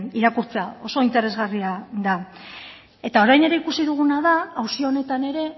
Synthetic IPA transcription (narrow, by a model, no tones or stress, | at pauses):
iɾakuɾt͡seao̞so̞int̪e̞ɾe̞zɣariaða | e̞t̪ao̞ɾajne̞ɾe̞ikusiðuɣ̞unaðaːwsio̞ːne̞t̪ane̞ɾe̞